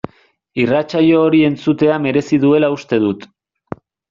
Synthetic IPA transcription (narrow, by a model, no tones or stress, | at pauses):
irat͡ʃajo̞ːɾie̞nt͡sut̪e̞ame̞ɾe̞siðue̞laust̪e̞ð̞ut̪